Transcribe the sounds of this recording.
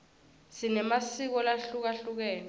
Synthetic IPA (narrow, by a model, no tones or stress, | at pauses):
sinɛmasik̬ɔlaɬuk̬aɬuk̬ɛːkɔ